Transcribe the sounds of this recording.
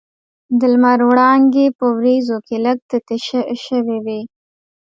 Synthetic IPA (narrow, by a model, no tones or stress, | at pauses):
d̪əlmaɾwɽɑŋɡepəwɾizokeləɡ̚t̪ət̪eʃəʃəwewe